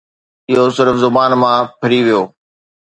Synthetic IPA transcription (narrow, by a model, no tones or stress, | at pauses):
ɪɦosɪɾfzʊbaːnmãpʰɐɾiʋijoː